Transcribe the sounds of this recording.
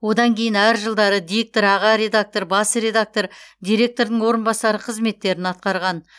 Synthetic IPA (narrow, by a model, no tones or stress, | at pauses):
wo̞d̪ɑŋkʲʰe̞jɪnæɾʒəlˠd̪ɑɾəd̪ijek̚t̪oɾɑʁɑɾe̞d̪ak̚t̪o̞ɾbɑsəɾe̞d̪ak̚t̪o̞ɾd̪ijɾʲe̞k̚t̪o̞ɾd̪əɴwo̞ɾənbɑsɑɾəqʰəzme̞t̪ːe̞ɾɪnɑt̪̚qɑɾʁɑn